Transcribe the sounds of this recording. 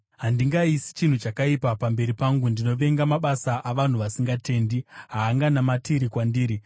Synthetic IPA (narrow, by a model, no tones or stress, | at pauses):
ɦandiŋɡaisi̥t͡ʃin̤ut͡ʃakaipapambe̞ɾipaŋɡundino̞ʋe̞ŋɡamaɓasaʔaʋan̤uʋasiŋɡate̞ːndiɦaːŋɡanamatiɾikwandiːɾi